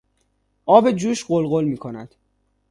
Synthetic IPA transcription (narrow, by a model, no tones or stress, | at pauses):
ʔɒːbe̞d͡ʒuːʃɢolɣolmiːkʰo̞næd̪̥